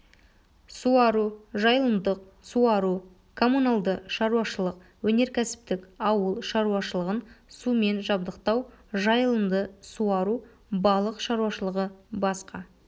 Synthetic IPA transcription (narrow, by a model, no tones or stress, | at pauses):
suɑɾuʒɑjlˠəmd̪əq̚ | suɑɾu | kʰo̞mːunalˠd̪əʃɑɾuɑʃəlˠəq̚ | wɵne̞ɾkʲʰæsɪ̥pt̪ɪkɑwəlˠʃɑɾuɑʃəlˠəʁənsumenʒɑbd̪əqt̪ɑwʒɑjəlˠəmd̪əsuɑɾu | bɑlˠəqʃɑɾuɑʃəlˠəʁəbɑsqɑ